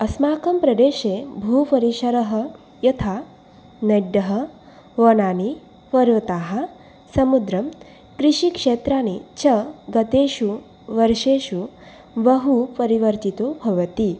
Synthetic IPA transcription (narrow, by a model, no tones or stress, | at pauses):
ɐsmaːkɐmpɾɐd̪eːʃebʱupɐɾiʃɐɾɐɦɐ | jɐt̪ʰa | nɐɖːɐɦɐ | ʋɐnaːni | ʋɐɾʋɐt̪aːɦɐ | sɐmud̪ɾɐm | kɾiʃikʂeːt̪ɾaːnit͡ɕʰɐɡɐt̪eːʃu | ʋɐɾʃeːʃu | ʋɐɦupɐɾiʋɐɾt̪it̪obʱɐʋɐt̪i